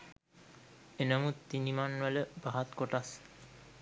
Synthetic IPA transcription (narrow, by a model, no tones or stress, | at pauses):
enəmut̪ːinimanʋələbaɦat̪koʈas